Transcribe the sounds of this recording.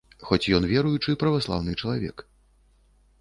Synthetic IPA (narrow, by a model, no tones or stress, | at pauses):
xɔt͡sʲjɔnvʲɛɾujut͡ʂɨpɾɐvaslˠa̰wnɨt͡ʂɐlˠavʲɛ̰k